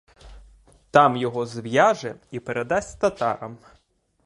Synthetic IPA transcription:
t̪ɑmjɔɦɔzʋjɑʒɛipeɾed̪ɑsʲt̪ɐt̪ɑ̰ɾɐm

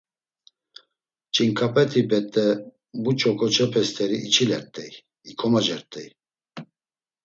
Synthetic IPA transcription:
t͡ʃʼiŋkʰapʰʼɛt̪ʰʼibɛt̪ʼːɛ | but͡ʃʰʼɔkʼɔt͡ʃʰɛpʰɛst̪ʰɛɾiʔːt͡ʃʰilɛɾt̪ʼɛj | ikʰɔmad͡ʒɛɾt̪ʼɛj

